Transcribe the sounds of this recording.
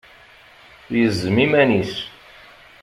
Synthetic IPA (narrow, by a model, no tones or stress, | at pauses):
jəzːəmimænis